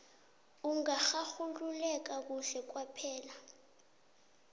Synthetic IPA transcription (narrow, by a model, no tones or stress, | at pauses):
uŋaxaxululɛk̬ak̬uɬɛk̬wapʰɛːla